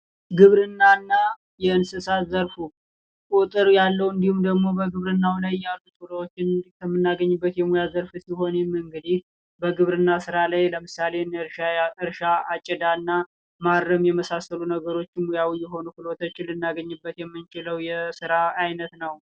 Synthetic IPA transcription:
ɡɨβɾɨnːanːa | jɛɨnsɨsat̪zəɾfu | kʼut̪ʼɨɾjalːəwɨnd̪ihumd̪əɡmo̞bəɡɨβɾɨnːawlajːalːut̪ʼuɾəwot͡ʃːɪnkʰəmːɨnːaɡəɲːɨbːət̪jɛmujazəɾfɨsiho̞nmɨŋɡɨd̪ih | bəɡɨβɾɨnːasɨɾalajləmɨsale̞nɨɾʃaat͡ʃʼːɛd̪anːa | maɾːəmjɛməsasəlunəɡəɾo̞t͡ʃːɪnmujawijːɛɦo̞nukɨlot̪ʰot͡ʃːɪnlɨnːaɡəɲːɨbːət̪jɛmːɨnt͡ʃɪləwjɛsɨɾaːjnət̪nəw

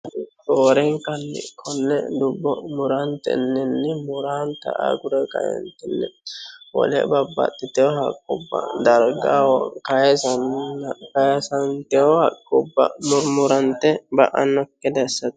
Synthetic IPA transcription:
t̪oːɾɛŋkɐnːɪ̰kʰːɔnːɛ̰d̪ʊbːɔmʊɾant̪ɛ̰nːɪnːɪmʊɾaːnt̪ɐ̰ʔa̰ːɡʊɾɛkɐ̰jɛ̰nt̪ɛnːɛwɔ̰lɛ̰bɐbːɐ̰t̪ːɪt̪ɛɔhɐkʼːɔbːɐ̰d̪ɐɾɡawɔkɐjɛsɐnkɐjɛsɐnt̪ɛɔhɐkʼːɔbːɐ̰mʊɾmʊɾɐnt̪ɛbɐʔɐnːɔkːɛd̪ɐsːɐt̪

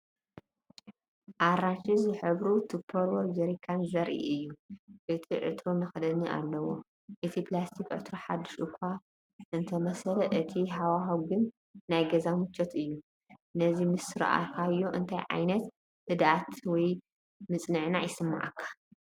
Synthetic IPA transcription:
ʔaɾaʃizɨħɨβɾut̪ʰɨpʰːoɾwɔd͡ʒɐɾikʰanzɐɾʔḭʔɨjːuʔɨt̪ʰiʕɨ̰t̪ʰɾonɐxɐd̪ɐniʔa̰lːɐwo̰ | ʔɨt̪ʰiplast̪ʰikʼʕɨ̰t̪ʰɾoħa̰d̪ːɨʃɨkʷʰːa | ʔɨnt̪ʰɐmɐsɐlɐʔɨt̪ʰiɦawaɦawɡɨnː | ajɡɐzamɨt͡ʃːot̪ʰɨjːu | nɐzimɨsɨɾɐ̰ʔa̰kʰajoʔɨnt̪ʰajʕa̰jnɐt̪ | hɨd̪at̪wɔj | mɨt͡sʼnɨʕnajɪsɨmːa̰ʕa̰kʰːḁ

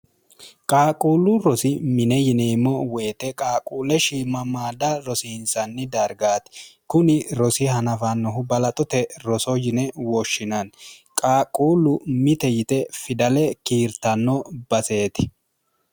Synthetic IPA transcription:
kʼaːkʼuːlʊɾɔsɪmɪnɛjɪneːmːɔweːt̪ɛkʼaːkʼuːlɛʃimɐmaːd̪ɐɾɔsiɪnsɐnːɪd̪ɐɾɡaːt̪kʊnɪɾɔsɪhɐnɐfanːɔɦʊbɐlɐt̪ʼɔt̪ɛɾɔsɔjɪnɛwɔʃːɪnɐnkʼaːkʼuːlʊmɪt̪ɛjɪt̪ɛfɪd̪ɐlɛkiːɾt̪ɐnːɔbɐse̞ːt̪ɪ̥

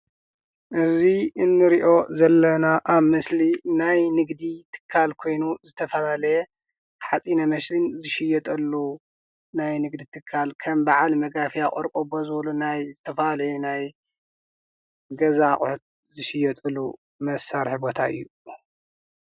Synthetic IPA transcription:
ʔɨziɨnːɨɾiʔo̞zɐlːɐnaʔaβmɐslinajnɨɡd̪it̪ʰɨ̥kʰːalkʰo̞jnuzɨt̪ʰɐfɐlalɐjɛ | ħat͡sʼinɐmɐslinzɨʃɪjɛt̪ʼɐlːu | najnɨɡd̪it̪ʰɨkʰːalkʰɐmbaʕalmɐɡafijakʼoɾkʼobozɨβlunajzɨt̪ʰɐfɐlalʕɛnaj | ɡɐzaχʼħut̪̚ | zɨʃɪjɛt̪ʼɨlːu | mɐsaɾħɨbo̞t̪ʰaɨ̰jːu

